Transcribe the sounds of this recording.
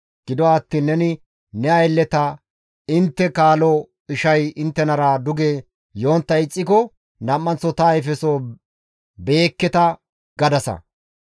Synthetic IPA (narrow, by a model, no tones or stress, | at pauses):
ɡ̥ɪd̪ɔat̪ːiːnːɛnɪ | nɛɐjlːɛt̪ɐ | ɪnt̪ːɛkaːlɔ | ɪʃɐjɪnt̪ːɛnɐɾaːd̪ʊɡe | jo̞ːnt̪ːɐɪt͡sʼːɪkɔ | nɐmːɐnt͡sːɔt̪ɐːjfɛsoː | be̞ːkːɛt̪ɐ | ɡ̥ɐd̪ɐsɐ̰